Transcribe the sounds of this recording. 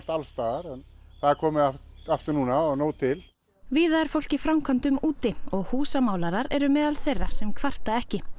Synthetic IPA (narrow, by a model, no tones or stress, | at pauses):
st̪alst̪aːɣaɾɛnθaðɛɾkʰɔːmɪafaft̪ɪɾnuːnaɔɣnoːwt̪ʰɪl | viːðaɛɾ̥fowl̥cɪfɾawmkʰant̪ʏmuːt̪ɪɔɣhuːsamaːwlaɾaɾɛɾʏmɛːðalθejrːasɛmkʰvar̥t̪aɛhcɪ